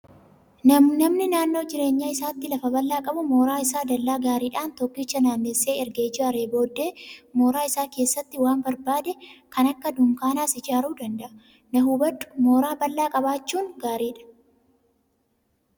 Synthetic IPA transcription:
nɐmnɪnaːnːoːd͡ʒɪɾe̞ːɲːaːɪsaːt̪ːɪlɐfɐbɐlːaːkʼɐbʊmo̞ːɾaːɪsaːd̪ɐlːaːɡaːɾiːᶑaːnt̪ɔkːit͡ʃːɐnaːnːesːeːɛɾɡeːɪd͡ʒaːɾeːbo̞ːd̪ːe̞ːmo̞ːɾaːɪsaːke̞ːsːɐt̪ːɪwaːmbɐɾbaːd̪ɛkɐnɐkːɐd̪ʊmkaːnaːsɪd͡ʒaːɾuːd̪ɐnd̪ɐʔɐ | nɐhuːbɐᶑʊ̥mo̞ːɾaːbɐlːaːkʼɐbaːt͡ʃːuːŋɡaːɾiːᶑɐ̥

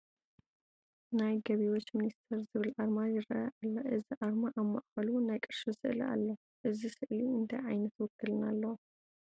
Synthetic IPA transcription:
najɡɐβiwot͡ʃːminist̪ʰɛɾzɨβɨlʔaɾmajɨɾajaʔalːɐʔɨziʔaɾmaʔaβma̰ʔxɐlunajkʼɨɾʃisɨʔliʔa̰lːo | ʔɨzisɨʔliɨnt̪ʰajʕajnɐt̪wɔkːɨlɨnalːɐ

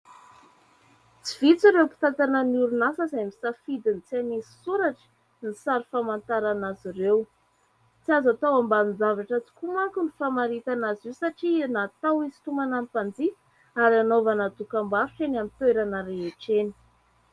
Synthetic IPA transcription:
t͡siv̥it͡siɾewpi̥t̪at̪ananuɾunasəzajmisafid̪int͡sianisi̥suɾaʈ͡ʂə̥ | nisaɾifamant̪aɾanaziɾew | t͡siazat̪awamband͡zavaʈ͡ʂat͡si̥kumaŋkunifamaɾit̪anazisaʈ͡ʂinat̪awizi̥t̪umanampand͡zi | aɾianovanad̪ukambaɾuʈ͡ʂeniamt̪eɾanaɾeɦeʈ͡ʂeni̥

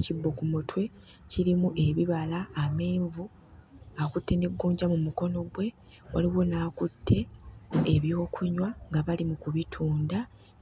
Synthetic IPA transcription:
cibːokumotwe̞ | ciɾimuʔe̞βiβalaːme̞ːɱvu | akutːe̞neɡːuːɲɟamumuko̞no̞ɡwe̞ | wa̰liβonaːkutʰːe̞ː | βjo̞ːkʰuɲwaŋɡaβalimukuβitʰuːnda

